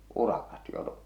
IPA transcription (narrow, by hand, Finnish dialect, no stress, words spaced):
urɑkɑt jo